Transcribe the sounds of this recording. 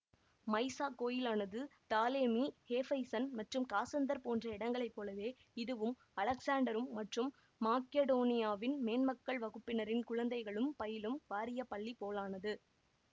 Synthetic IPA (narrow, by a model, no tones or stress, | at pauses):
mɐɪsaːkoːjɪlaːnɐðɯt̪aːleːmiheːfɐɪsɐnmɐʈrɯmkaːsɐnd̪ɐɾpoːndrɐɪɽɐŋɡɐɭɐɪpːoːlɐʋeː | ɪðɯʋɯm | ɐlɐksaːɳɖɐɾɯmːɐʈrɯmː | aːkeɽoːnɪjaːʋɪnmeːnmɐkːɐɭʋɐɣɯpːɪnɐɾɪnkʊɻɐnd̪ɐɪɣɐɭɯmpɐjɪlɯmʋaːɾɪjɐpɐɭːipoːlaːnɐðɯ